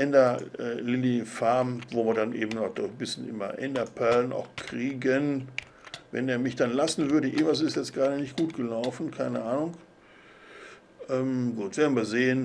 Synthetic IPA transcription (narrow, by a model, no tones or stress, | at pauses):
ʔɛndɐʔɛlɪlifaɐmvoːviːɐdanʔeːbm̩nɔd̥ɔbɪsçənʔɪ̰mɐ̰ʔɛ̰ndɐpʰɛɐlənʔa̰ʊxkʁ̥iːɡən | vɛ̰neːɐmɪçd̥anlasn̩vʏɐdəʔɪ̰mas̬ɪstjɛt͡stɡ̥ʁaːɾənɪçtɡ̥uːtɡ̥əlaʊfn̩kʰaɪnəʔaːnʊŋ | ʔɛːmɡuːtv̥eːɐn̩viːɐzeːən